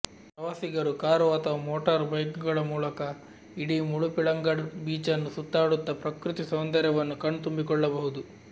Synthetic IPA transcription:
pɾɐʋaːsiɡɐɾukaːɾuʋaːt̪ɐʋmoːʈɐɾbɐjɡuɡɐɭɐmuːlɐkɐ | iɽimuɭupiɭɐŋɡɐɽbiːt͡ʃɐnːusut̪ːaːɽut̪ːɐpɾɐkɾut̪isond̪ɐɾɛʋɐnːukɐɳːt̪umbikɔɭːɐbɐɦud̪u

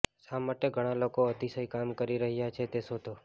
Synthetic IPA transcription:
amaʈeɡʱəɽ̃alokoət̪isəikamkəɾiɾəɦjat͡ʃʰet̪esot̪o

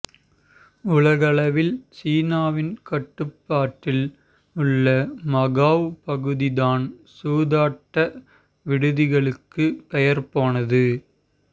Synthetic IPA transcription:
ʊɭɐɣɐɭɐʋɪlsiːnaːʋɪnkɐʈːɯpːaːʈːɪl | ɯɭːɐmɐɣaːʋpɐɣɯðɪðaːnsuːðaːʈːɐ | ʋɪɽɯðɪɣɐɭɯkːɯpɛjɐɾpoːnɐðɯ

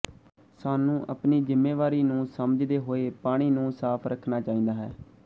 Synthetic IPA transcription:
saːnũːʔəpniːd͡ʒɪmːeːʋaːɾiːnũːsəməd͡ʒd̪eːɦoːeːpaːɽ̃iːnũːsaːpʰɾəkʰnaːt͡ʃaːĩːd̪aːɦɛ̰ː

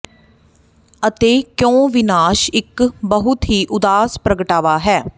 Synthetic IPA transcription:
ət̪eːkjõːʋɪnaːʃɪkbəɦʊt̪ɦiːʔʊd̪aːspɾəɡəʈaːʋaːɦɛː

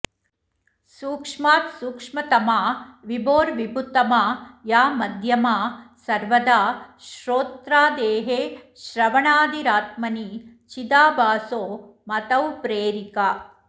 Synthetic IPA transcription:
suːkʂmaːt̪suːkʂmɐt̪ɐmaːʋiboːɾʋibʱut̪ːɐmaːjaːmɐd̪ʱjɐmaːsɐɾʋɐd̪aːʃɾoːt̪ɾaːd̪eːɦeː | ʃɾɐʋɐɳaːd̪iɾaːt̪̚mɐni | t͡ʃid̪aːbaːsoːmɐt̪ɐwpɾeːɾikaː

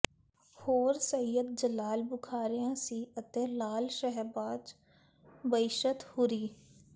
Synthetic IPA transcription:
hoːɾsəjəd̪̚d͡ʒəlaːlbʊkʰaːɾɪjãːsiːət̪ẽːlaːlʃəɦbaːd͡ʒ | bəɪʃət̪hʊɾiː

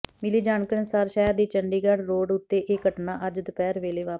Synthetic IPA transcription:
mɪliːd͡ʒaːnkəɾəsaːɾʃɛːɾd̪iːt͡ʃəɳɖiːɡəɽɾoːɖʊt̪ːeːʔeːkəʈnaːʔəd͡ʒd̪ʊpɛːɾʋeːleːʋaːp

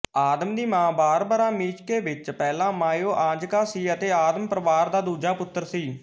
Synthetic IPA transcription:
aːd̪əmd̪iːmãːbaːɾbaːɾãːmiːt͡ʃkeːʋɪt͡ʃpɛːlãːmaːjoːʔãːd͡ʒkaːsiːət̪eːaːd̪əmpɾəʋaːɾd̪aːd̪uːd͡ʒaːpʊt̪ːəɾsiː

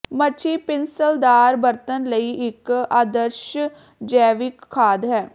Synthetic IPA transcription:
mət͡ʃʰiːpɪnsəld̪aːɾbəɾt̪ənləiːʔɪkaːd̪əɾʃ | d͡ʒɛːʋɪkʰːaːd̪ɦɛː

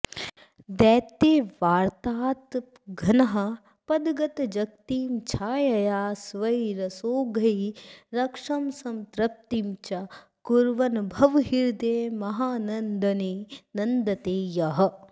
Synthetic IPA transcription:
d̪ɛːt̪eːʋaːɾt̪aːt̪ | ɡʱɐnɐɦɐ̆ | pɐd̪ɡɐt̪d͡ʒɐk̚t̪iːmt͡ʃʰaːjɐjaːsʋɐiɾɐsoːɡʱɐjɾɐkʂɐmsɐmt̪ɾɐp̚t̪imt͡ʃɐ | kuɾʋɐnbʱɐʋɦiɾd̪eːmɐɦaːnɐnd̪ɐninɐnd̪ɐt̪eːjɐɦɐ̆

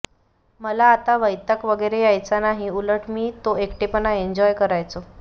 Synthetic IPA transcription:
məlaːt̪aʋəjt̪əkʋəɡəɾejajt͡sanaɦiuləʈmiːt̪oekʈepənaeɲd͡ʑɔjkəɾajt͡so

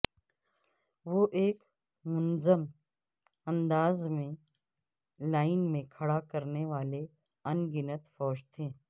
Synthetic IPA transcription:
ʋoʔeːk | mʊnzəm | ɐ̃nd̪aːzmẽ | laːɪnmẽkʰɐɽakɐɾneʋaːle | ɐnɡɪnət̪fɔːʃt̪ʰẽː

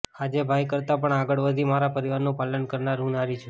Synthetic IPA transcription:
ad͡ʒebʱajkəɾt̪apəɳaɡəɭʋəd̪ʱimaɾapəɾiʋaɾnũpalənkəɾnaɾɦũnaɾit͡ʃʰũ

